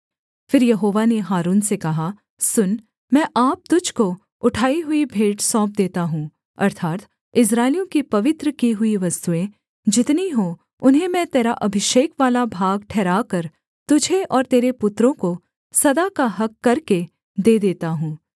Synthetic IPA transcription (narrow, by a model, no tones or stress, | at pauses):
fɪɾjɐɦoːʋaneɦaːɾuːnsekɐɦa | sʊn | mɛ̃ʔaːp̚t̪ʊd͡ʒʱko | ʊʈʰaːiɦʊibʱeːʈsɔ̃ːp̚d̪eːt̪aɦũː | ɐ̰ɾt̪ʰaːt̪ | ɪs̬ɾaːɪljõkipɐʋɪt̪ɾəkiɦʊiʋɐst̪uẽ | d͡ʒɪt̪niɦo | ʊnɦẽmɛ̃t̪eːɾaʔɐbʱɪʃeːkʋaːlabʱaːɡʈʰɛːɾaːkɐɾ | t̪ʊd͡ʒʱeʔɔːɾt̪eːɾepʊt̪ɾõko | sɐd̪akaɦɐkːɐɾke | d̪eːd̪eːt̪aɦũː